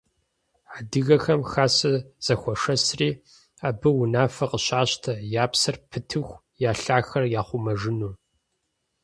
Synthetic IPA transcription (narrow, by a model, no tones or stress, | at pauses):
adɨɣɐxɐmxaːsɐz̥ɐxʷɔʂɐsriː | aːbɨwʊnaːfɐqəɕaːɕtʰɐjaːpsɐrpʰɨtʰɨxʷ | jaːɬaːxɐrjaːχʷʊmɐʐɨnuː